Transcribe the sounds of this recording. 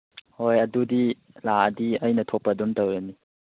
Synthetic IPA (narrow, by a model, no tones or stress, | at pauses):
hojɐdudi | ladiəjnɐtʰopːɐdumtɐwɾɐni